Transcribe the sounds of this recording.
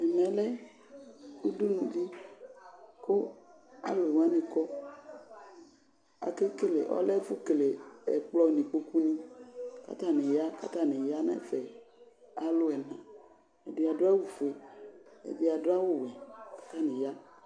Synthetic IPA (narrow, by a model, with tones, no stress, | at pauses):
ɛ˨mɛ̃˨lɛ˦ | u˦du˦nũ˨di˦ | ko˦ | a̰˦lo˨e˨wã˦nĩ˨kɔ˦ | a̰˨ke˦ke˦lḛ˨ʔɔ̰˦lɛ˦fu˦ke˨le˨ɛ̰˨k͡plɔ˦˨nĩ˨k͡po˦ku˦nĩ˦ka̰˦t̪a˦˨nẽ˨ja˦ka̰˦t̪a˦˨nẽ˨ja˦nɛ̰˦fɛ˨ | a˨lo˦ɛ˨nã˨ | ɛ˨de˨˦a˨do˦a˦wu˨fe˨ɛ̰˨de˦a˨do˦a˦wo˦wɛ˨kḁ˦t̪a˦nĩ˨ja˦